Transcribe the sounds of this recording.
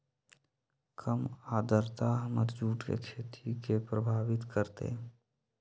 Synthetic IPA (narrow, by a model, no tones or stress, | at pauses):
kʰəmaːd̪əɾt̪aɦəmət̪d͡ʒuːʈkḛkʃʰet̪ʰikepɾəbʱaːbɪt̪kəɾt̪ḛ